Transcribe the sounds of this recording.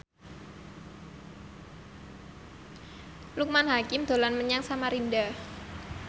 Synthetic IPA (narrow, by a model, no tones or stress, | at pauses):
luk̚manɦakɪmd̪̥o̤lanməɲaŋsamaɾinda